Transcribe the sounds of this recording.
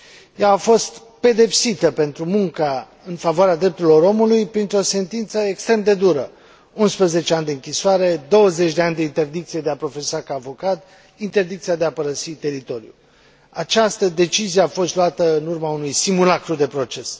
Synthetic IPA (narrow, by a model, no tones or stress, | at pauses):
jaːfo̞st̪ | pe̞d̪e̞psit̪əpe̞nt̪ɾumuŋka | ɨnfavoaɾead̪ɾe̞p̚t̪uɾilo̞ɾo̞mulujpɾint̪ɾo̞se̞nt̪int̪səekst̪ɾe̞md̪e̞d̪uɾə̰ | unspɾəze̞t͡ʃeanʲd̪eɨŋkʲisoaɾe̞d̪o̞wəze̞t͡ʃʲd̪eanʲd̪eint̪e̞rd̪ik̚t̪sije̞d̪eapɾo̞fe̞sakaːvo̞kat̪ | int̪e̞rd̪ik̚t̪sijad̪e̞apəɾəsit̪e̞ɾit̪o̞ɾiṵ | at͡ʃast̪əd̪e̞t͡ʃizijeafo̞st̪lwat̪əɨnurmaunujsimulakɾud̪e̞pɾo̞t͡ʃe̞s